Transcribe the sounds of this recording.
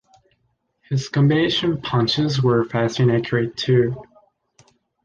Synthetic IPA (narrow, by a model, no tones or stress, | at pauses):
hɪz̥kɨ̃mbeɪʃɨ̃npʰʌ̃nt͡ʃɪzwə˞fæstɨ̃nækʰjəɹɨtʰʉ